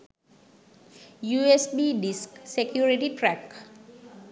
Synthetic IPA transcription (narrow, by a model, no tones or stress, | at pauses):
juesbiɖisksekjuɾiʈiʈɾɛk